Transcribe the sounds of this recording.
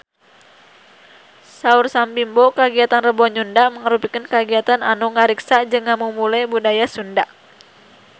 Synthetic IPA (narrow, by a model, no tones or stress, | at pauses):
saursambimbɔkaɡiat̪anrəbɔɲundaʔməŋəɾupikənkaɡiat̪ananuŋaɾiksad͡ʒɨŋːamumulajbudajasundaʔ